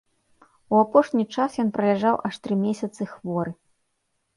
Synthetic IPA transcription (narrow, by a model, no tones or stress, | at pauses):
uapɔʂnʲit͡ʂasjɔnpɾɐlʲaʐawʔaʂt̪ɾɨmʲesʲɐt̪sɨxvɔɾɨ